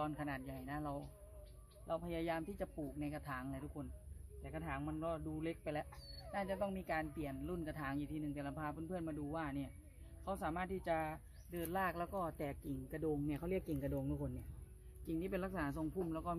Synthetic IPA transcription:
t̪ɔː˧nkʰa˧naː˨˩t̪̚ja˨˩jna˦˥ɾa˧w | ɾa˧wpʰa˧jaː˧jaː˧mt̪ʰiː˥˩t͡ɕa˨˩puː˨˩k̚na˧jka˧t̪ʰaː˩˦ŋla˧jt̪ʰu˦˥kʰo˧nt̪ɛː˨˩ka˧t̪ʰaː˩˦ŋma˧nkɔː˧˥˩duː˧le˦˥k̚pa˧jlɛ˦˥ʔnaː˥˩t͡ɕa˨˩t̪ɔ˥˩ŋmiː˧˥kaː˧npli˨˩ənlu˥˩nka˧t̪ʰaː˩˦ŋʔiː˨˩t̪ʰiː˧nɯ˨˩ŋt̪ɛː˨˩la˧pʰaː˧pʰɯː˧˥˨npʰɯ˥˩ənmaː˧duː˧waː˥˩ni˧˩ɐ | kʰa˦˥wsaː˩˦maː˥˩t̪ʰːiː˥˩t͡ɕa˨˩ | dɤː˧nlaː˥˩k̚lɛː˦˥wkɔː˥˩t̪ɛː˨˩kːi˨˩ŋka˧doː˧ŋni˥˩ɐkʰa˥˩wli˥˩əkːi˨˩ŋka˧doː˧ŋt̪ʰu˦˥kʰo˧nːi˧˩ɐ | t͡ɕi˨˩ŋt̪iː˥˩pe˧la˦˥k̚sa˧naː˩˦s̬o˧ŋpʰu˥˩˨mlɛː˦˥wkɔː˥˩

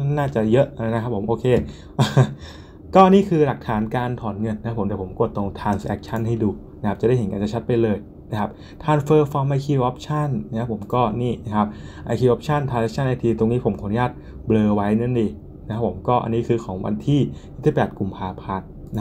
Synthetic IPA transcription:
naː˥˩t͡ɕa˨˩jɤ˦˥ʔna˦˥kʰa˦˥pʰːo˩˦mʔoː˧kʰeː˧ | ʔː | kɔː˥˩ʔa˧niː˥˩kʰɯː˧la˨˩k̚t̪ʰaː˩˦nkaː˧nt̪ʰɔː˨˩˦nŋɤ˧˩nːa˧kʰpʰo˩˦md̪ːpʰo˩˦mko˨˩t̪ːlo˧ŋt̪ʰaː˧ŋsʔɛ˦˥k̚t͡ɕʰa˥˩nɦa˥˩jduː˧˩na˦˥kʰa˦˥pt͡ɕa˨˩da˥˩˨ɦe˨˦nkaː˧nt͡ɕa˨˩t͡ɕʰt̪̚pa˧jlɤː˧j | na˦˥kʰa˦˥p̚ | t̪ʰaː˧ŋfɤː˧fɔː˧mʔa˧jkʰiː˧ʔɔː˦˥p̚t͡ɕʰa˥˩nna˧˥kʰa˦˥pʰo˩˦mkɔː˥˩niː˥˩na˦˥˩kʰa˦˥p̚ʔa˧kʰiː˧˩ʔɔː˦˥p̚t͡ɕʰa˥˩nt̪ʰa˧˩ɛ˦˥k̚t͡ɕʰa˥˩nːa˧jt̪ʰiː˧t̪o˧ŋniː˦˥pʰo˩˦mkʰa˨˩˦nu˦jaː˥˩t̪̚ | blɤː˧wa˦˥jnɤ˧˥˩ndiː˧ | na˧˥kʰa˦˥pʰːo˩˦mkɔː˥˩ʔa̰˧nːiː˦˥kʰɯː˧kʰɔː˩˦ŋwa̰˧nt̪ʰiː˥˩ji˥˩t̪ʰiː˥˩pɛː˨˩t̪̚kʰu˧mpʰaː˧pʰa˧˥nː˧˦

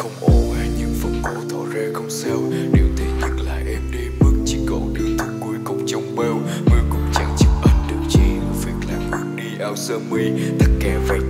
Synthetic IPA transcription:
xə˧wŋ͡mʔo˧˨˩vaː˨˩ɲɨ˧ŋfə˧wŋ͡mko˧˦t̪ʰɔ˧˨˩zɛː˧xə˧wŋ͡msɛ˧wɗe˨˩wt̪ʰe˨˩ɲɨ˨˦˥t̚la̰ː˧˨jʔɛ˧mɗi˧mɨ˨˧˩ŋt͡ɕi˧˦kɔ̰˧˩ɗi˧˩wt̪ʰɨ˨˧˩ŋku˧˩əjkʊ˨˩wŋ͡mt͡ɕə˧˩wŋ͡mɓe˧w | ŋi˧wkʊ̰˧˩ŋ͡mt͡ɕa̰˧˦ŋt͡ɕɨ˨˧˦k̚ɓa˨˩n̚ɗɨ˨˩ək̚t͡ɕḭ˧˩˨vi˨˥ək̚la̰ː˧˨˩jku˨˧˦əŋ̚ɗi˧ʔaː˧wsəː˧mi˧jt̪ə˦˥t̚kaː˨˩va̰ː˧˩

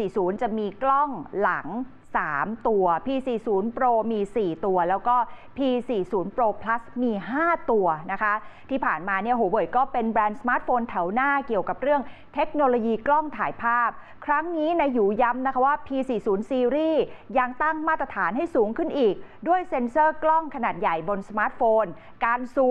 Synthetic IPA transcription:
iː˨˩suː˩˦nt͡ɕa˨˩miː˧klɔ˥˩ŋla̰˩˦ŋ | saː˩˦mt̪u˧ɐpʰiː˧siː˨˩suː˩˦npɾoː˧miː˧siː˨˩t̪u˧ɐlɛː˦˥wkɔː˥˩pʰiː˧siː˨˩suː˩˦npɾoː˧pʰla˦˥smiː˧ɦaː˥˩t̪u˧ɐna˦˥kʰa˦˥t̪ʰiː˥˩pʰaː˨˩nmaː˧ni˥˩ɐɦoː˩˦bɤː˨˩jkɔː˥˩pe˧nbɾɛː˧nsa˧maː˦˥t̪̚foː˧nt̪ʰɛ˩˦wnaː˥˩ki˨˩əwka˨˩p̚ɾɯ˥˩əŋt̪ʰe˦˥k̚noː˧loː˧jiː˧klɔ˥˩ŋt̪ʰaː˨˩˦jpʰaː˥˩p̚ | kʰɾa˦˥ŋniː˦˥na˧jːuː˩˦ja˦˥mna˦˥kʰa˦˥waː˥˩pʰiː˧siː˨˩suː˩˦nsiː˧ɾiː˥˩ja˧ŋt̪a˥˩ŋmaː˥˩t̪ːɾa˧t̪ʰaː˩˦nɦa˥˩jsuː˩˦ŋkʰɯ˥˩nʔiː˨˩k̚du˥˩əjse˧nsɤː˥˩klɔ˥˩ŋkʰa˧naː˨˩t̪̚ja˨˩jbo˧nsa˧maː˦˥t̪̚foː˧n | kaː˧nsuː˨˩

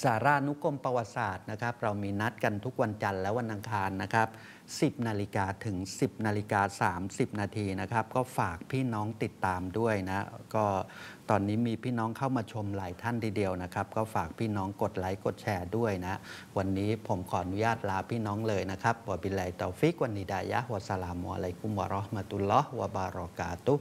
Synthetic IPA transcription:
saː˩˦ɾaː˧˩nu˦˥kʰo˧mpa˧wa˨˩t̪̚saː˨˩t̪̚na˦˥kʰa˦˥p̚ɾa˧wmiː˧na˦˥t̪̚ka˧nt̪ʰu˦˥k̚wa˧nt͡ɕa˧nlɛː˦˥wa˧nʔa˧ŋkʰaː˧nːa˦˥kʰa˦˥p̚ | si˨˩p̚naː˧li˧kaː˧t̪ʰɯ˩˦ŋsi˨˩p̚naː˧li˧kaː˧saː˩˦msi˨˩p̚naː˧t̪ʰiː˧na˦˥kʰa˦˥p̚kɔː˥˩faː˨˩k̚pʰiː˥˩nɔː˦˥ŋt̪i˨˩t̪ːaː˧mdu˥˩əjna˦˥kɔː˥˩t̪ɔː˧nːiː˦˥miː˧pʰiː˥˩nɔː˦˥ŋkʰa˥˩wmaː˧t͡ɕʰo˧mlaː˩˦jt̪ʰa˥˩nt̪ʰiː˧˩di˧əwna˦˥kʰa˦˥p̚kɔː˥˩faː˨˩k̚pʰiː˥˩nɔː˦˥ŋko˨˩t̪̚la˩˦jko˨˩t̪̚t͡ɕʰɛː˧du˥˩əjna˦˥wa˧nːiː˦˥pʰo˩˦mkʰɔː˨˩ʔa˧nu˦jaː˥˩t̪̚laː˧pʰiː˥˩nɔː˦˥ŋlɤː˧jna˦˥kʰa˦˥p̚bu˨˩˦bi˧lɛ˧˩jt̪ɔː˨˧˩fi˦˥k̚wa˧nːiː˨˦˥daː˧ja̰˦˥hu˨˩a˧sa˧laː˧mu˧˩ʔa̰˧la˧jku˧˩mwa̰˧ɾɔ˦hma˧t̪u˧lːɔ˦˥hwa˧baː˧ɾɔː˧kaː˧t̪u˦

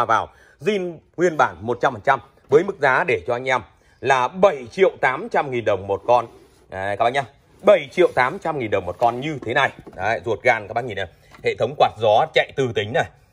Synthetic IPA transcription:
a˨˩vaː˨˩w | zi˧nŋwi˧ənɓaː˧˩nmo˨˩t̚t͡ɕa˧mfaː˨˩t͡ɕa˧m | vəː˨˦jmɨ˦˥k̚zaː˨˦ɗe˧˩t͡ɕɔ˧ʔa˧jŋ̟ʔɛ˧m | laː˨˩ɓə˧˩jt͡ɕḭ˧˨əwt̪aː˨˦mt͡ɕa˧mŋi˨˩nɗə˨˩wŋ͡mmo˨˩t̚kɔ˧n | kaː˧˩ɓa̰˧˩˧a˧ | ɓə˧˩jt͡ɕḭ˧˨əwt̪aː˨˦mt͡ɕa˧mŋi˨˩nɗə˨˩wŋ͡mmo˨˩kɔ˧nɲɨ˧t̪ʰe˨˦na˨˩j̰zu˨˩ət̚ɣaː˧˩nkaː˦˥kɓa˧ŋi˨˩na˨˩ | hḛ˧˨t̪ʰə˨˦wŋ͡mkwaː˨˩t̚zɔ˨˦t͡ɕa̰˧˨jt̪ɨ˨˩t̪ï˨˦ŋ̟na˨˩

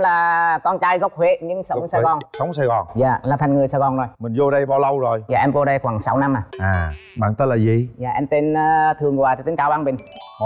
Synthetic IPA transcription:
laː˨˩kɔ˧nt͡ɕaː˧jɣə˦˥wk͡p̚hwe˧˥ɲɨ˧˥ŋsə˨˦wsaː˧ɣɔ˨˩nsə˨˦wŋ͡msaː˧jɣɔ˨˩nza̰ː˧˨laː˨˩t̪ʰa˨˩jŋ̟ŋɨ˨˩əjsaː˧jɣɔ˨˩nzo˨˩jmï˨˩ŋzo˧ɗə˧jɓaː˧wlə˧wzo˨˩jzaː˧˨ʔɛ˧mko˧ɗə˧jxwaː˧˩ŋsa˨˦wna˧mʔaː˨˩ʔaː˨˩ | ɓa̰ː˧˨nt̪ə˦˥laː˨˩zi˨˩zaː˨˩ʔɛ˧mt̪e˧nː˧t̪ʰɨ˨˩əŋzwaː˨˩t̪a˨˩t̪i˨˦ŋkaː˧˦wɓaː˧nɓï˨˩ŋ̟˦

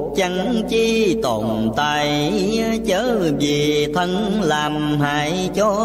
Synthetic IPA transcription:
t͡ɕa˧ŋt͡ɕi˧t̪o˧˨˩nt̪aː˧˨˩jt͡ɕəː˨˦vi˨˩t̪ʰə˧nlaː˨˩mhaː˨˧˨j | t͡ɕɔ˧

